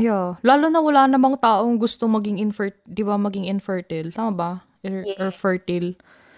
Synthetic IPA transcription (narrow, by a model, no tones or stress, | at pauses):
ʔjalaːlonɐwɐlaːnɐmaŋt̪aːʔo̞ŋɡʊst̪omɐɡɪŋɪnfɛɹt̪d̪ɪbamɐɡɪŋɪnfɛɹt̪ɪlt̪aːmɐbɐ | ʔɛʔɛfɛɹt̪ɪl